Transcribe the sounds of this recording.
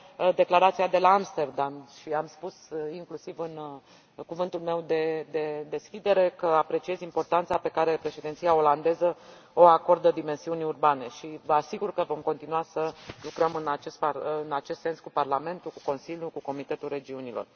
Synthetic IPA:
d̪e̞klaɾat̪siad̪e̞laamst̪e̞rd̪amʃiamspusiŋklusivɨn | kuvɨnt̪ulme̞wd̪e̞d̪e̞d̪e̞skʲid̪e̞ɾe̞kəapɾe̞t͡ʃie̞zimpo̞rt̪ant̪sape̞kaɾe̞pɾe̞ʃed̪int̪sijao̞land̪e̞zə | o̞ako̞rd̪əd̪ime̞nsiunʲurbane̞ʃivəasiɡurkəvo̞mko̞nt̪inuasəlukɾəmɨnat͡ʃespaɨnat͡ʃe̞st̪senskuparlame̞nt̪uku̥ko̞nsiljukuko̞mit̪e̞t̪ulre̞d͡ʒiunilo̞̰r

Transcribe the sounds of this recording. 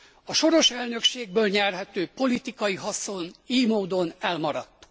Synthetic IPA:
ɒʃo̞ɾo̞ʃɛlnø̞kʃeːɡ̚bøːlɲɛrɦɛt̪øːpo̞lit̪ikɒjiɦɒso̞niːmoːd̪o̞nɛlmɒɾɒ̰t̪ː

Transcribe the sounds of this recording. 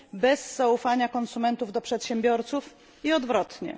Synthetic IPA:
bɛzːaufaɲakɔnsumɛnt̪uvd̪ɔpʂɛt̪ɕɛmbʲjɔɾt̪suf | iɔd̪vɾɔt̪ɲɛ̰

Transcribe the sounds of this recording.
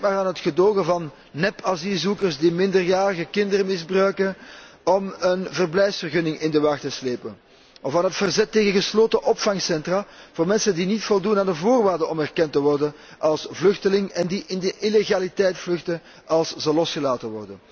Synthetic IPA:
maːraːnɦətxədoːɣəvɑnː | ɛpazilˠzukərsdimɪndərjaːɾəɣəkɪndəɾəmɪzbrœɥkənɔmənvərblɛjfsfərɣɵnɪŋɪndəʋɑxtəsleːpən | ʔɔfaːnɦətfərzɛtːeːɣənɣəsloːtəʔɔpfɑŋsɛntraːv̥oːrmɛnsəndinitfɔlˠdunaːndəvoːrʋaːrdəɔmɛrkɛntəʋɔrdən | ʔɑlˠsvlɵxtəlɪŋɛndiʔɪndəʔileɣaːlitɛjtflɵxtə | ɑlˠszəlɔsxəlaːtənʋɔrdən

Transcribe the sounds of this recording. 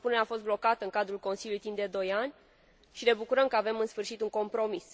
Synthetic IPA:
puneɾeafo̞s̬t̪̚blo̞kat̪əɨŋkad̪ɾulko̞nsiljulujt̪imd̪ed̪o̞janʲ | ʃine̞bukuɾəmkəave̞mɨnsfɨrʃit̪uŋko̞mpɾo̞mis

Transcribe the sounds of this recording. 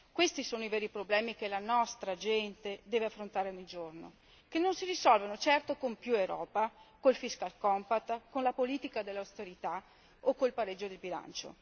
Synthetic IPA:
kwest̪isoːnoivɛːɾipɾoblɛːmik̟elanɔst̪ɾad͡ʒɛnt̪ed̪ɛːveafːɾont̪aːɾeɔɲːid͡ʒorno̰ | kenːonsiɾisɔlvanot͡ʃɛrt̪okompjuewɾɔːpakolfiskalkɔmpat̪ːkonlapoliːt̪ikad̪elːawst̪eɾit̪a | okːolpaɾed͡ʒːod̪elbila̰nt͡ʃo̰

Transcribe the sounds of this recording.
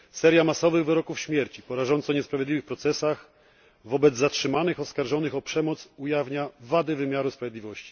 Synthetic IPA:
sɛɾjamasɔvɘɣvɘɾɔkufɕmʲjɛɾt͡ɕipɔɾaʐɔnt̪sɔɲɛspɾavʲɛd̪lʲiwɘxpɾɔt̪sɛsax | vɔbɛd̪zzatʂɘmanɘxɔskaɾʐɔnɘxɔpʂɛmɔt̪sujavɲavad̪ɘvɘmʲjaɾuspɾavjɛd̪ʲivɔɕt͡ɕi̥

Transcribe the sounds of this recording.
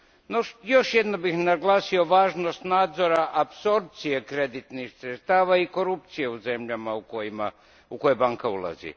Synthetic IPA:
nojo̞ʃje̞d̪nobixnaɡlˠaːsio̞ʋaːʒno̞st̪naːd̪zo̞ɾaʔapso̞ɾp̚t̪sijekɾe̞d̪it̪nixsɾet̪st̪aːʋaiko̞ɾup̚t̪sijeuze̞mʎamaukojima | uko̞jebaŋkaṵlˠa̰zḭ

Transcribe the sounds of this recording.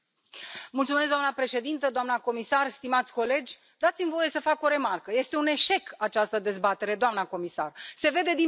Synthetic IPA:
mult̪sumesd̪oamnəpɾe̞ʃe̞d̪int̪əd̪oamnako̞misarst̪imat̪sʲko̞le̞d͡ʒʲ | d̪at̪simvo̞je̞səfako̞ɾe̞markəje̞st̪e̞une̞ʃe̞kat͡ʃast̪əd̪e̞zbat̪e̞ɾe̞d̪oamnəko̞misa̰rse̞ve̞d̪e̞d̪i

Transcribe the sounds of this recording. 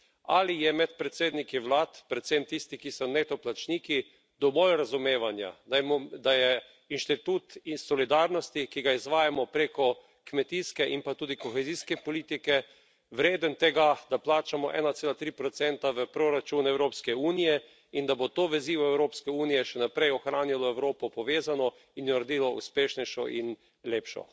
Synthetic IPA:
a̰lijɛmɛt̪̚pɾɛt̪seːd̪nikiʋlaːt̪pɾɛt̪semt̪ist̪ikisɔnet̪ɔplat͡ʃniːki | d̪ɔʋɔlɾazumeːʋanja̰d̪amɔd̪ajɛ | inʃt̪it̪ut̪sɔlid̪aːɾnɔst̪ikiɡaizʋaːjamɔpɾeːkɔ | kmɛt̪iskɛʔimpat̪uːd̪ikɔxɛziːskɛpɔliːt̪ikɛ | ʋɾeːd̪ənt̪ɛɡad̪aplaːt͡ʃamɔʔɛ̰ːnat̪seːlat̪ɾiːpɾɔt̪sɛnt̪aʋəpɾoɾat͡ʃunɛwɾoːpskɛuːnijɛ | ind̪abot̪oːʋɛziːʋɔɛwɾoːpskɛuːnijɛʃɛnapɾɛjɔxɾaːnilɔɛwɾoːpɔpɔʋeːzanɔ | injɔɾd̪iːlɔṵspeːʃnɛjʃɔ̰ʔḭn | leːpʃɔ̰

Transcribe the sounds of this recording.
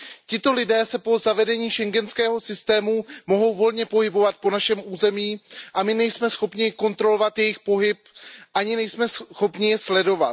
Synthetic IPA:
cɪt̪o̞lɪdɛːsɛpo̞zavɛdɛɲiːʃɛŋɡɛnskɛːɦo̞sɪst̪ɛːmumo̞ɦo̞wvo̞lɲɛpo̞ɦɪbo̞vat̪̚po̞naʃɛmʔuːzɛmiːʔamɪnɛjsmɛsxo̞pɲɪko̞nt̪ɾo̞lovat̪jɛjɪxpo̞ɦɪpʔaɲɪnɛjsmɛsxo̞pɲɪjɛslɛdo̞vat̪

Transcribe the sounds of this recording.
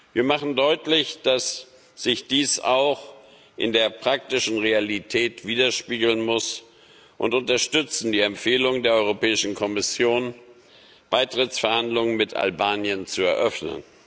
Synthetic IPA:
viːɐmaχn̩dɔʏtlɪçd̥as | z̥ɪçd̥iːsa̰ʊx | ʔɪ̰ndeːɐpʁ̥ak̚tɪʃn̩ʁealitʰɛːtv̥iːdɐʃpiːɡl̩nmʊs | ʔʊntʊntɐʃtʏt͡sn̩diːɛmfeːlʊŋəndeːɐʔɔʏʁopɛːɪʃn̩kʰɔmɪsjoːn | b̥aɪtʁ̥ɪt͡sfɛɐhandlʊŋənmɪta̰lbaːnjənt͡suɛɐʔœfnə̰n

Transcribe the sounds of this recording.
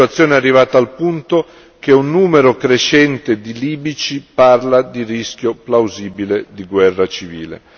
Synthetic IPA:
wat̪sːjoːnearːivaːt̪aalpunt̪o | k̟eunːuːmeɾokɾeʃɛnt̪ed̪iliːbit͡ʃiparlad̪iriskjoplawziːbiled̪iɡwɛrːat͡ʃivḭːlḛ

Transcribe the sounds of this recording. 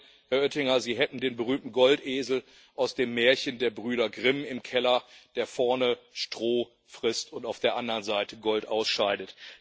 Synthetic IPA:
hɛɐʔœtɪŋɐziːɦɛtn̩deːnbəʁ̞yːmtn̩ɡɔltʔeːzl̩ | ʔaʊsd̥eːmːɛːɐçəndeːɐbʁyːɾɐɡʁɪmɪmkʰɛlɐd̥eːɐfɔɐnəʃtʁ̥oː | fʁ̥ɪstʊntaʊfd̥eːɐʔandɐʁənzaɪtəɡɔltʔaʊsʃaɪdət

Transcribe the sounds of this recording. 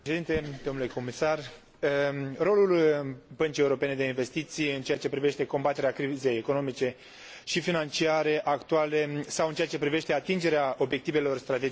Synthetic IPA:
ed̪int̪e̞d̪omnule̞ko̞misar | ro̞lulbənt͡ʃieuɾo̞pe̞ne̞d̪e̞inve̞st̪it̪sijɨnt͡ʃejat͡ʃe̞pɾive̞ʃt̪e̞ko̞mbat̪e̞ɾeakɾize̞jeko̞no̞mit͡ʃe̞ | ʃifinant͡ʃiaɾe̞ʔakt̪uale̞sawɨnt͡ʃeat͡ʃe̞pɾive̞ʃt̪e̞at̪ind͡ʒe̞ɾeao̞bje̞k̚t̪ive̞lo̞rst̪ɾat̪e̞

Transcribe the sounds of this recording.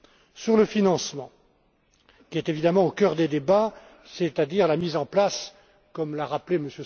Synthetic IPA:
syʁləfinɑ̃smɑ̃ | kʲiɛt̪evid̪amɑ̃okœʁd̪ed̪eba | set̪ad̪iʁlamizɑ̃plas | kɔmlaʁapleməsjø

